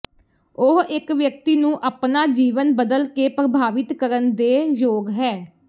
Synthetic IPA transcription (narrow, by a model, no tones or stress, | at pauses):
ʊɦɪkʋjək̚t̪iːnũːʔaːpnaːd͡ʒiːʋənbəd̪əlkeːpɾəbʱaːʋɪt̪kəɾənd̪eːjoːɡɦɛː